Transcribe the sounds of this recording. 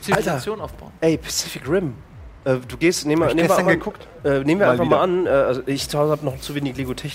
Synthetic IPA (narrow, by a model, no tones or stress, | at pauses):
ialat͡sjoːnaʊfb̥aʊʔɛɪpʰḁt͡sɪfɪkʁɪm | ʔɛːduːɡeːstneːmneːmviɐʔaəkʰʊkt | ʔɛːneːmviːɐanfaχmaːlʔanʔɛːʔalzoʔɪçt͡suhaʊzn̩habnɔχt͡suveːnɪçleːɡotʰɛçɪ